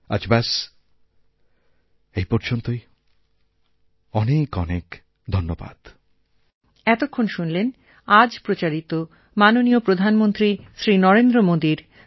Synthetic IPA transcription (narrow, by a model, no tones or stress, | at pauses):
a̰d͡ʑbas | ejpɔɾd͡ʑont̪oj | ɔnekɔnek | d̪ʱonːoba̰d̪̥ | ɛt̪okʰːonʃunlen | ad͡ʑpɾot͡ɕaɾit̪o | manoniopɾod̪ʱanmont̪ɾiʃɾinɔɾend̪ɾomod̪iɾ